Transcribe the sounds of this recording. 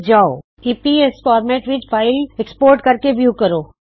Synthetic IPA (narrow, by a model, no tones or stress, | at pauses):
d͡ʒao̰ | iːpieskɔːɾmeʈʋɪt͡ʃfaːɪlekspoːɾʈkɐɾkeʋjuːkɐɾoː